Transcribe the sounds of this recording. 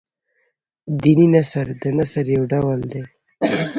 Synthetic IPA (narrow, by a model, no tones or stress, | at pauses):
d̪ininasəɾd̪ənasəɾjawɖawəld̪ej